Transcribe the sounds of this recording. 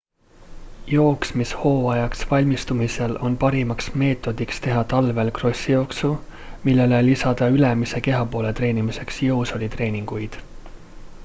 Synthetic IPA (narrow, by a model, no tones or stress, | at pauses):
jo̞ːksmisho̞ːɑjɑksvɑlʲmist̪umise̞lʔo̞npɑɾimɑksme̞ːt̪ːˑo̞d̪̥ikst̪e̞ɦɑt̪ɑlve̞lkro̞sʲːijo̞ːksu | milːe̞lelisɑd̪̥ɑylemise̞ke̞ɦɑpo̞ːle̞t̪ɾe̞ːnimise̞ksjɤwso̞lit̪re̞ːniŋɡ̥ujd̪̥